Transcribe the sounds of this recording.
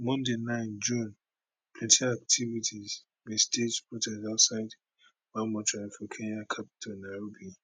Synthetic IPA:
mɔ̃ndenãɪnd͡ʒũn | pʰlɛ̃ntʰiak̚tʰivitʰiz | mested͡ʒpɔtɛdatsaɪd | wamɔ̃tʰɹafikʰẽnakʰapi̥tʰɔnaɹobi

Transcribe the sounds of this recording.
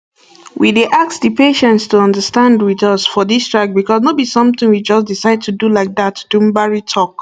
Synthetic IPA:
wideʔassdəpeʃɛ̃ntstuʌ̃ndəstãndwiðʌsfɔðistɹ̥ak̚bikɔsnobisʌ̃mθɪ̃ŋwid͡ʒʌsdisaɪd̚tʰudulaɪk̚ðatʰd̥ũmbaɹitʰɔk

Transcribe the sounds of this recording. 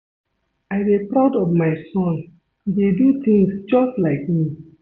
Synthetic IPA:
ʔajdepɹaʊdɔvmajsɔ̃n | dedut̪ʰĩŋsd͡ʒɔstlaɪk̚mi

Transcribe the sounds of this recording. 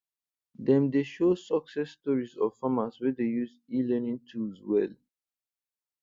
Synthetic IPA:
dɛ̃mdeʃosɔksɛsːtɔɹisɔvfamaswɛdejuz | ilɛnĩŋtʰuswɛ̰l

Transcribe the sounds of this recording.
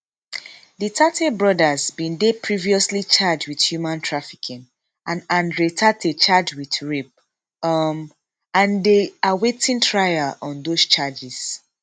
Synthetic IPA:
ditʰatʰɛbɹɔdazbĩndepʰɹiviɔslit͡ʃad͡ʒwið̥hjumãntʰɹafikʰĩn | ʔãnãndɹetʰatet͡ʃad͡ʒwiðɹip̚ | m | ãndeawetʰĩntʰɹajaʔɔ̃ndost͡ʃad͡ʒiz̥

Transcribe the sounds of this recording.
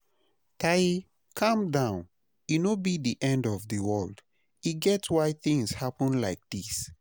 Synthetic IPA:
tʰaji | kʰʌ̃mdãʊ̃n | inobiðiʔɛ̃ndɔvðəwɜld̥ | iɡɛtwaɪθĩŋz̥hapə̃nlaɪk̚ð̥is

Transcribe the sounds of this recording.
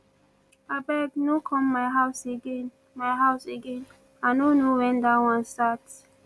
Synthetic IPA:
abɛɡnokʰɔ̃mːajɦawseɡẽn | majɦaʊseɡẽn | anonowɛ̃nd̪awãnstats

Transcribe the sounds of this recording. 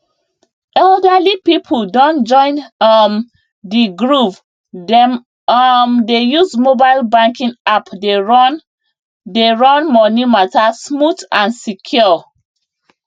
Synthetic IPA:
ʔɛldalipipʰuldɔ̃nd͡ʒɔ̃ɪ̃nm | diɡɹuv | dɛm | mdejuzmobalbãŋkĩŋapdeɹɔn | deɹɔ̃nmɔnimatasmutãnsikʰjɔ

